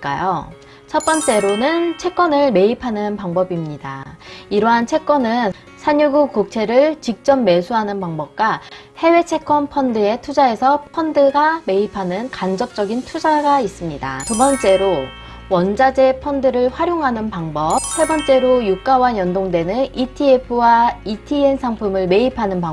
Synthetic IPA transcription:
k͈a̰jo̰ | t͡ɕʰʌp͈ʌnt͡ɕ͈e̞ɾonɯnt͡ɕʰe̞k͈wʌnɯɭme̞ipʰanɯnpaŋbʌbimɲida̰iɾʌɦant͡ɕʰe̞k͈wʌnɯn | sʰaɲuɡukok̚t͡ɕʰe̞ɾɯɭt͡ɕik̚t͡ɕ͈ʌmːe̞sʰuɦanɯnpaŋbʌp̚k͈wa | he̞we̞t͡ɕʰe̞k͈ʰʌnpʰʌndɯe̞tʰud͡ʑae̞sʰʌpʰʌndɯɡame̞ipʰanɯnkand͡ʑʌp̚t͡ɕ͈ʌɡintʰud͡ʑaɡais͈ɯmɲida̰tubʌnt͡ɕ͈e̞ɾo | wʌnd͡ʑad͡ʑe̞pʰʌndɯɾɯɭɸwaɾjoŋɦanɯnpaŋbʌp̚sebʌnt͡ɕ͈e̞ɾojuk͈awaɲjʌndoŋde̞nɯnitʰiepʰɯwaitʰie̞nsʰaŋpʰumɯɭme̞ipʰanɯnpa

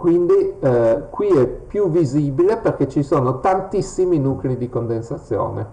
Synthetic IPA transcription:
kwind̪ikwiɛpːjuviziːbileperk̟et͡ʃːisoːnot̪ant̪isːiminuːklid̪ikond̪ensat̪sːjo̰ːnḛ

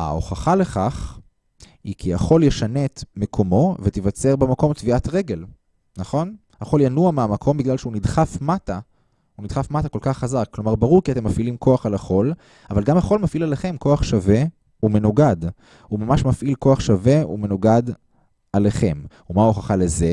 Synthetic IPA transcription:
a̰o̞̰χaχale̞χaχ | hikʰiaχo̞ljeʃanetmekʰo̞mo̞vet̪ivat͡se̞ʁbemako̞mtviʔatʁe̞ɡe̞l | naχo̞n | haχo̞ljanuameamakʰo̞mbiɡlalʃeunidχafmata | unid̪̥χafmatako̞lkaχːazakːlo̞maʁbaʁuʁkiatemːafilimko̞aχalhaχo̞l | avalɡamhaχo̞lmafilaleχe̞mko̞aχʃave̞ | ume̞nuɡad | umamaʃmafʔilkoaχʃave̞ṵme̞nuɡad | aleχe̞m | umaoχaχale̞ze̞

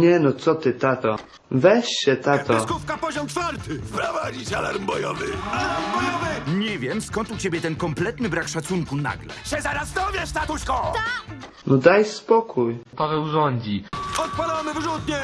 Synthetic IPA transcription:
ɲɛnɔt̪sɔt̪ɘt̪at̪ɔ | vɛɕɕɛt̪at̪ɔkufkapɔʑɔmt͡ʃfaɾt̪ɪfpɾɔvad͡ʑiɕa̰la̰ɾmbɔjɔvɪ̰alaɾmbɔjɔvɨɲɛvʲjɛmskɔnt̪ut͡ɕebʲjɛt̪ɛnkɔmplɛt̪nɘbɾakʂat̪suŋkuna̰ɡlɛ̰ɕɛzaɾazd̪ɔvʲjɛʂt̪at̪uɕkɔt̪ak | nɔd̪ajspɔkʰujpavɛwzɔɲʲd͡ʑiɔt̪̚palɔmɨvʐut̪ɲɛ

